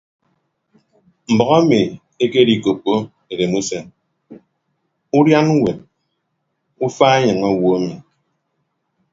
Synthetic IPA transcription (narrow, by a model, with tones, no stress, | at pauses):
m̩˨bɔ˨a˦mi˨ | e˦ke˦di˨ko˨k͡pːo˦ | e˨ɾe˨mu˦se˦n | u˦ɾja˦n˦we˨t̚ | u˦faː˦e˦ɲɨ˨ŋa˦˨wo˦a˦mi˨